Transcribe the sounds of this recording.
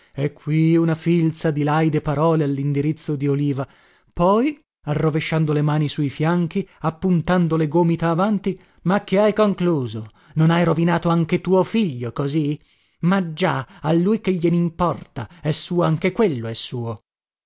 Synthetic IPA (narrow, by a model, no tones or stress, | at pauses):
ɛkʰːwiunafilt̪sad̪ilajd̪epaɾɔːlealːind̪iɾit̪sːod̪ioliːva | pɔj | arːoveʃːand̪olemaːnisuifjaŋk̟iapːunt̪and̪oleɡoːmit̪aːvant̪i | makːeajkoŋkluːzo | nonajɾovinaːt̪oaŋk̟et̪uːofiʎːokozi | mad͡ʒaalːujk̟eʎːenimpɔrt̪aɛsːuːoaŋkekwelːoɛsːuːo